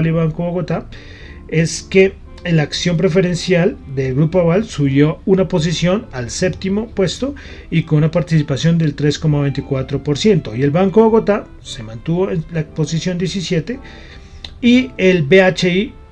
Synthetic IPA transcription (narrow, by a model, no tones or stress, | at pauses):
liβaŋkoβo̞ɣo̞t̪a | e̞ske̞ | laːksjo̞mpɾe̞fe̞ɾe̞nsjald̪e̞lɣɾupoaβalsuβjo̞unapo̞s̬isjo̞nalse̞p̚t̪imo̞pwe̞st̪o̞ | ikonunapaɾt̪isipasjo̞nd̪e̞lt̪ɾe̞sko̞maβe̞jnt̪ikwat̪ɾo̞po̞ɾsje̞nt̪o̞ie̞lβaŋkoβo̞ɣo̞t̪a | se̞mãnt̪uβo̞enlapo̞sisjo̞nd̪jesisje̞t̪e̞ | ielbeat͡ʃei